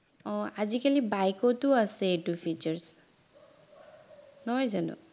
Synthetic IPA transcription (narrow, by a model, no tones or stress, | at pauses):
oad͡ʑikalibajkot̪uaseeʈufit͡ɕəɹs | nɔjzalo̰